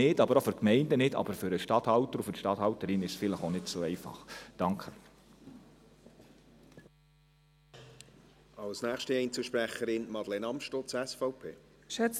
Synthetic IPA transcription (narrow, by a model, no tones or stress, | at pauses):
ɪdɑbəɾofʏɾkmɛɪndənɪtɑ̰bəɾfʏɾəʃtɑthɑltəɾufʏɾʃtɑthɑltəɾɪnɪʃsfɪləχonɪtsoːɛɪfɑ̰χd̥ɑŋkʰχə | ɑlsnæːxʃtəɛɪnt͡suʃpɾɛχəɾɪnmɑd̥̪lenɑmʃtot͡sɛsfɔʊpʰḛː | ʃɛt͡s